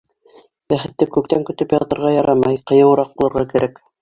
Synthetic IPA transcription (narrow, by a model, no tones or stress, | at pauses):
bæχɘ̆t̪ːɘkʉk̚t̪æŋkɵ̆t̪ɵpjɑt̪ɤ̆ɾʁɑjɑɾɑmɑjqɤ̆jɤ̆wɤ̆ɾɑq̚bulˠɤ̆ɾʁɑkɘ̆ɾʔæk